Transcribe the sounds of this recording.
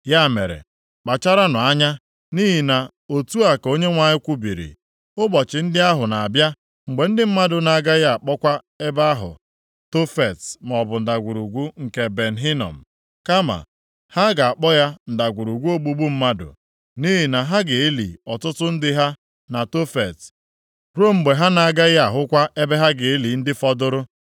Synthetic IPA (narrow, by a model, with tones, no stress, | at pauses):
ja˦˨mḛ˨ɾḛ˨ | k͡pa˨t͡ʃa˦ɾa˦nʊ˨a˦ɲa˦ | ni˦ɦi˨na˨ | o˨tu˦a˨ko˦ɲe˦ŋʷa˦ɲɪ˦kʷu˦bi˨ɾḭ˨ | ʊ˦bɔ˨t͡ʃɪ˨n̩˦dɪ˦a˦ɦʊ˨na˨a˨bja˦ | ŋ͡m̩˨ɡ͡be˨n̩˦dɪ˦m̩˦ma˦dʊ˨na˨ɡa˦ja˦a˨k͡pɔ˦kʷa˦ | e˦ba˦a˦ɦʊ̰˨ | to˦fe˨tm˨ɔ˨bʊ˨n̩˨da˨ɡʷu˨ɾu˨ɡʷu˦ŋ̩˨ke˨be˨n̩˨ɦi˦nɔ̰˨m̩˨ | ka˦ma̰˨ | ha˦ɡa˨a˨k͡pɔ˦ja˦n̩˨da˨ɡʷu˨ɾu˨ɡʷu˦o˦ɡ͡bu˦ɡ͡bu˦m̩˦ma˦dʊ̰˨ | ni˦ɦi˨na˨ɦa˦ɡe˨e˦lḭ˨ɔ˨tʊ˦tʊ˦n̩˦dɪ˦ɦa˦ | na˨to˦fe˨t | ɾo˦˨ŋ͡m̩˨ɡ͡be˨ɦa˦na˨a˨ɡa˦ja˨ɦʊ˦kʷa˦ʔe˦be˦ɦa˦ɡe˨e˦li˨n̩˦dɪ˦fɔ˦dʊ˦ɾʊ˦